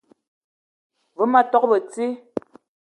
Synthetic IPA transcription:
və˦ma˦tɔ˦k̚bə˨t͡si˦

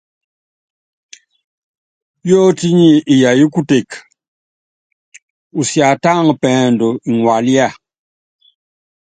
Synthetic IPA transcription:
jo˦ti˦ɲi˦i˨ja˨ji˦ku˦te˨k | u˨sja˨ta˦ŋpɛː˨ndɔ˨i˨ŋwa˨li˦a˦˨

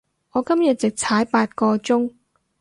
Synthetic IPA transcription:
ŋɔː˨˧kɐ˥mjɐ˨t̚t͡sɪ˨k̚t͡sʰaː˨˥jpaː˧t̚kɔː˧t͡sʊ˥ŋ

